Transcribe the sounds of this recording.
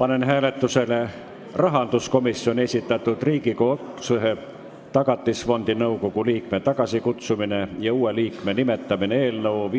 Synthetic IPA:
pɑne̞nɦæːle̞t̪ːuse̞le | rɑɦɑnd̪̥usko̞misːio̞nʲie̞sʲit̪ːˑɑt̪ːˑud̪̥riːɡiko̞suɦe | t̪ɑɡ̥ɑt̪ˑːisfo̞nd̪̥inɤwko̞ɡ̥uliːkme̞t̪ɑɡ̥ɑsikut̪sumine̞jɑuːe̞liːkme̞nime̞t̪ːˑɑmineeːlnɤwv

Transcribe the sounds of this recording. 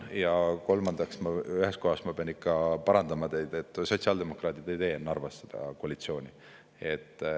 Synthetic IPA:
jɑko̞lmɑnd̪̥ɑksmɑyɦesko̞ɦɑsmɑpeɑnikːɑpɑɾɑnd̪̥ɑmɑt̪e̞jd̪̥e̞t̪ːˑso̞t̪siɑld̪e̞mo̞krɑːt̪id̪̥e̞jt̪e̞ːnːɑrvɑsːed̪̥ɑ̰koɑlit̪sio̞ːnʲi | e̞t̪ːˑ

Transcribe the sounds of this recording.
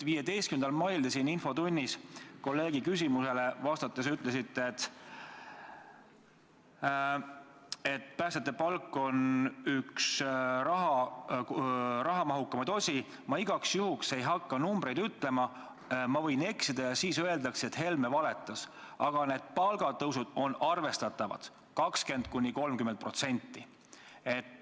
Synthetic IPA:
viːje̞d̪e̞jst̪̚kymend̪ɑlmɑjld̪esininfo̞t̪unʲːisko̞lːe̞ːɡikysʲimuse̞le̞vɑst̪ɑt̪ːˑesyt̪ːˑle̞sit̪ːet̪ | e̞t̪ːˑpæːst̪et̪ːˑepɑlkːˑo̞nyksɾɑɦɑ | rɑɦɑmɑɦukːɑmɑd̪o̞sʲi | mɑiɡ̥ɑksjuhukse̞jɦɑkːɑnumb̥ɾe̞jd̪̥yt̪ːˑle̞mɑ | mɑvɤ̞jne̞ksid̪̥ɑjɑsiːsø̞e̞ld̪ɑkse̞t̪he̞lme̞vɑle̞t̪ːˑɑs | ɑɡ̥ɑne̞ːd̪̥̚pɑlɡ̥ɑt̪ɤwsud̪̥o̞nɑrve̞st̪ɑt̪ːˑɑvɑ̰d̪̥ | kɑkske̞nd̪̚kunʲːiko̞lmkymːet̪̚pro̞t̪se̞nʲt̪ˑːi | e̞t̪ː

